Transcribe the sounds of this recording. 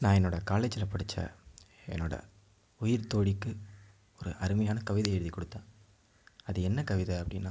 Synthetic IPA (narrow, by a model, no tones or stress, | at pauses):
nãːɛnːoːɽɐkaːlet͡ʃɪlɐpɐɽɯt͡ʃːɐ̰ | ɛ̰nːoːɽɐ̰ | ʊjɪɾt̪oːɽɪkːɯ | ɔɾɯʔɐɾɯmɐjaːnɐkɐʋɪðɐɛɻɯðikːɔɽɯt̪ːãː | ɐðɯɛnːɐkɐʋɪðɐɐpːɐɽɪnːaː